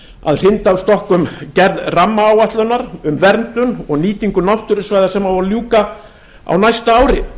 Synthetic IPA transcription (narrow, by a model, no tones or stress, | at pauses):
a̰ðr̥ɪnt̪aːst̪ɔhkʏmcɛɾðramːaːwaht̪lœnaɾʏmvɛɾnt̪ʏnɔɣniːt̪iŋkʏnawht̪ʏɾɪsvaːjðasɛmːavɔɾljuːka | a̰wnajst̪aaːwɾɪ